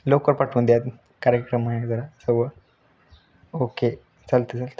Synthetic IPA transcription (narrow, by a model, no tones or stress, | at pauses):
lokəɾpaʈʰuːnd̪jat̪ | kaɾjəkɾəmaɦd͡zəɾasəɡʋə | oke | t͡salt̪ət͡salt̪ə